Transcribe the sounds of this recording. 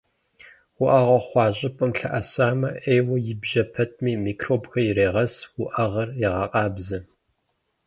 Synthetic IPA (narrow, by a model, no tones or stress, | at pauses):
wʊʔɐʁɐχʷɑːɕʼɪpʼɨmɬɐʔɐsaːmɐʔeːwɐjɪbʒɐpʰɐtʰmiːmiːkʰroːbxɐjɪreːʁɐswʊʔɐʁɐrjɛʁɑːqʼɑːbzɐ